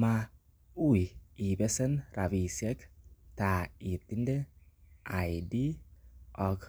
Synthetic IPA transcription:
ma˧ | u˦i˨i˨be˦sɛ˦nɾa˨vi˨se˦kta˨i˨t̪i˦nde˦a˨jdi˦ | ɔ˨k

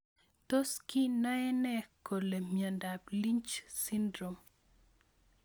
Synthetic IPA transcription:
to˦ski˦na˦ɛ˦nɛ˦ko˨le˨mja˨nda˨bli˦ɲt͡ʃsi˦ndɾo˨m

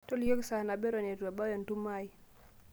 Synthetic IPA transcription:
to˦ljo˦ksa˨na˨be˦ɾo˨ne˨twa˨ba˦jɔ˨ntu˦ma˦j

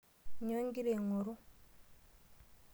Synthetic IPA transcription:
ɲo˦ŋɡi˦ɾe˨ŋo˨ɾu˦

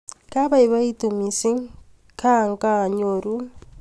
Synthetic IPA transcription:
ka˦βa˦i˨βa˦i˦tu˨mi˨si˦ŋ | kʰa˦˨ŋka˨ɲoɾu˦

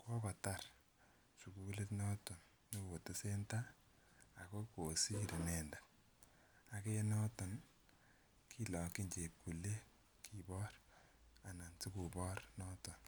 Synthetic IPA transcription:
kwɔ˦kɔ˨ta˦r | t͡ʃu˨ku˦le˦tnɔ˦tɔ˨n | no˦ko˨te˦se˦nta˦ | a˨ko˦ko˨si˦ɾe˨nɛ˨nda˨ | a˨ke˦nɔ˦tɔ˨n | kʰi˦lɔ˨ki˦ɲt͡ʃe˨p̚ku˨le˦ | kʰi˨bɔ˦ra˨na˨nt͡si˦ku˨bɔ˦rnɔ˦tɔ˨n

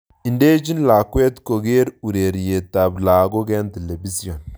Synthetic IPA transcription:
i˨nde˦d͡ʒi˦nla˨kwe˦t̪ko˨ɡe˦ɾu˨ɾe˨ɾje˨ta˨bla˨ɡo˦ɡɛ˦nte˨le˨bi˦si˦jo˨n

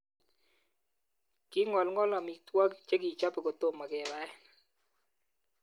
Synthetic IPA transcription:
kɪ˦ŋɔ˨lŋɔ˦la˨mi˨k̚t̪wa˦kt͡ʃe˦ɡi˨t͡ʃa˦pe˨ko˨t̪o˦mːa˨ɡɛ˨ba˦ɛ˦

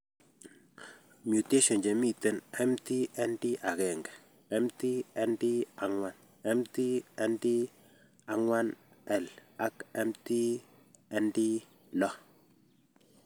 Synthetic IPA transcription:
mju˨te˦ʃɔ˨nd͡ʒe˨mi˦˨te˦nɛ˦mti˦ɛ˦ndi˦ʔa˨ɡɛ˨ŋɡɛ˨ | ɛ˦mti˦ɛ˦ndi˦a˨ŋwa˦n | ɛ˦mti˦ɛ˦ndi˦ | a˨ŋwa˦n | ɛ˦˨la˦kɛ˦mti˦ | ɛ˦ndi˦ | lɔ˦

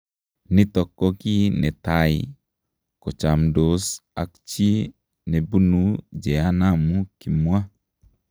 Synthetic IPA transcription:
nɪ˦t̪ɔ˨kɔ˦ki˦nɛ˨t̪a˨ḭ˨ | kɔ˨t͡ʃa˨mdo˨sa̰˨kt͡ʃi˦ | ne˨bu˦nu˨d͡ʒɛ˨a˦na˦mu˦ki˨mwa˦

